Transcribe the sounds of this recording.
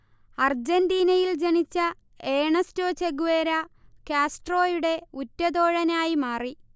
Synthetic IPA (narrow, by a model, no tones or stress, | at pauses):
ɐrd͡ʑɐndiːnɐjild͡ʑeɳit͡ɕːɐ | eːɳɐsto̞ːt͡ɕeɡuʋeːɾɐkjaːsʈro̞ːjuɽe̞utːɐd̪oːɻɐnaːjimaːri